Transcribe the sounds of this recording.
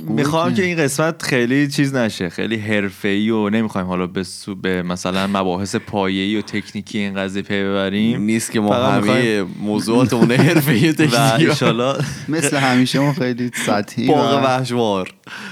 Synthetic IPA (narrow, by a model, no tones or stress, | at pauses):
mixɒːmcʰe̞inɢe̞smæt̪χejlit͡ʃʰiːznæʃe̞xḛjliːɦe̞ɾfe̞iːjone̞mixɒːjimhɒːlɒːbesubemæsælænmæbɒːɦe̞se̞pʰɒːje̞iːjot̪ʰe̞cʰniːcʰijeinɢæziːjepʰejbe̞βæɾiːmniːst̪cʰemɔfæɣædmimxɒjjemoːzuːɒːt̪ʰemuneheɾfeiːjot̪ʰevæiʃɒːlːɒːmesleɦæmiːʃemɔxejlisæt̪hibɒːɣebæhʃvɒːɾ